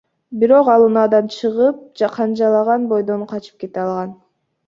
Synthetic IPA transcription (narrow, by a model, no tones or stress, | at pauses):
biɾo̞qɑlˠunɑd̪ɑnt͡ʃʰɯʁɯp̚d͡ʒɑqʰɑnd͡ʒɑlˠɑʁɑnbo̞jd̪o̞nqʰɑt͡ʃɯ̥p̚ke̞t̪eɑlˠʁɑn